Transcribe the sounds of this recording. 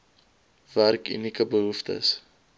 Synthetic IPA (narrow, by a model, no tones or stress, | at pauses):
værky̰nikəbəɦuftə̰s